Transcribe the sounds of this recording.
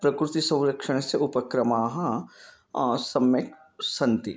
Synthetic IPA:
pɾɐkɾʊt̪isɐ̃w̃ɾɐkʃəɽ̃seʊpɐkɾɐmaːɦɐ̃ | sɐmjek | sɐ̃nt̪i

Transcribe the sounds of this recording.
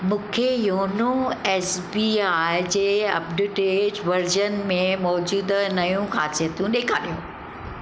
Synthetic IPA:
mũːkʰejoːnoɛːsbiːaːɪd͡ʑeːɐ̰b̚ɖʊʈeːd͡ʑʋɐɾd͡ʑənmẽmɔːd͡ʑuːd̪nɐjũkʰaːt͡ɕet̪jũɗeːkʰaːɗijũ

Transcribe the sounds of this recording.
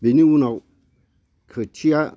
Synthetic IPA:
beniwuna | kʰətʰija

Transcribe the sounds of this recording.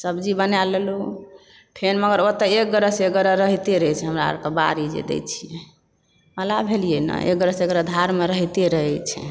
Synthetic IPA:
səbd͡ʒibənalelu | pʰenməɡəɾot̪əek̚ɡəɾəseɡəɾəɾəɦit̪eɾəɦɛt͡ʃʰɛɦəmɾa̰ɾkəbaɾid͡ʒḛd̪ɛ̰t͡ʃʰijɛ | məlabʱelijenə̰ʔḛk̚ɡəɾəseɡəɾəd̪ʱaɾmeɾəɦt̪eɾəɦɛt͡ʃʰɛ̰

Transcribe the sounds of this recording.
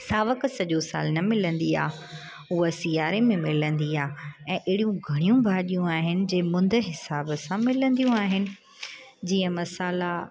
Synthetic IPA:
saːʋəksɐʄosa̰ːlnɐmɪlə̃nd̪ia̰ː | uasijaːɾemẽmɪlə̃nd̪iaːɛ̃ːʔɪːɽijũɡʱɐɽ̃ijũbʱaːɗijũaːɦɪnɪ̆d͡ʑẽːmʊ̃nd̪ʱəɦɪsaːbəsãmɪlə̃nd̪ijũaːɦɪnɪ̆ | d͡ʑiːə̃mɐsaːla

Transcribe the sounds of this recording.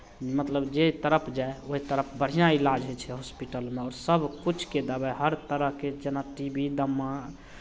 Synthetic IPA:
mət̪ləbd͡ʒet̪əɾəpʰd͡ʒaeoɦit̪əɾəpʰbəɽ̤ijãilad͡ʒɦet͡ʃʰɛɦospiʈəlmeɔːɾsəbʱkut͡ʃʰked̪əbaɦəɾt̪əɾəɦked͡ʒenaʈibʱid̪əmːã

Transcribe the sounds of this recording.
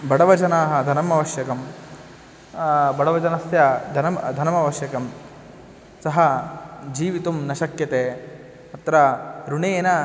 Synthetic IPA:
bɐɽɐʋɐd͡ʒɐnaːɦɐ̆d̪ʱɐnɐmɐʋɐʃjɐkɐm | bɐɽɐʋɐd͡ʒɐnɐsjɐd̪ʱɐnɐmd̪ʱɐnɐmɐʋɐʃjɐkɐm | sɐɦɐd͡ʒiːʋit̪umnɐʃɐkjɐt̪eː | ɐt̪ɾɐɾuɳeːnɐ

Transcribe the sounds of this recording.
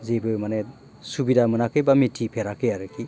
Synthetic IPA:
zebɯmane | subidamɯnakɯjbamitʰipʰeɾakɯjaɾɯkʰi

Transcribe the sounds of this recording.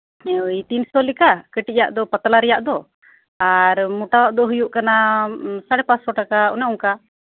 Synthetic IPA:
it̪insɔlikakəʈijaʔd̪ɔpət̪alaɾɛjaʔd̪ɔ | aɾmuʈawaʔd̪ɔɦujuʔkanasaɽɛpat̪sɔʈakaṵnɛuŋka

